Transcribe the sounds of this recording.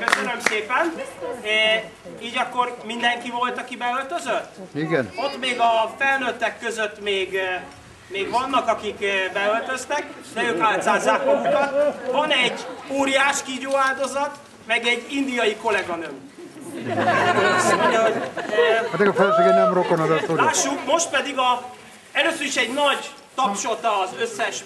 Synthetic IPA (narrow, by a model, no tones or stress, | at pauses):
køsønø̞mseːpɛn | iːɟɒkːo̞rmind̪ɛŋkivo̞lt̪ɒkibɛølt̪øzøt̪ːiɡɛno̞t̪ːmeːɡɒfɛlnøt̪ːɛkːøzøt̪ːmeːɡ | meːɡʋɒnːɒkɒkikbɛølt̪ø̞st̪ɛkd̪ɛøːkaːlt̪zaːzaːkmɒɡukɒt̪vɒnɛɟːoːɾijaːʃkiːɟoːaːld̪o̞zɒt̪ | mɛɡɛɟːind̪ijɒjiko̞lɛɡɒnøː | ɒsmo̞ɲɟɒɦo̞ɟ | at̪ɛkɒfɛlføɡenɛmrokonɒzɛsolaːʃːukmo̞ʃt̪̚pɛd̪iɡɒ | ɛløːsøɾiʃɛɟnɒɟ | t̪ɒpʃo̞t̪ɒːzøsːɛʃ